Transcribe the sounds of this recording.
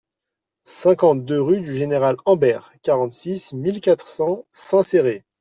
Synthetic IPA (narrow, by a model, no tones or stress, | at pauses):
sɛ̃kɑ̃t̪̚d̪øʁyd̪yʒeneʁalɑ̃bɛʁkaʁɑ̃t̪sismilkat̪χsɑ̃sɛ̃seʁe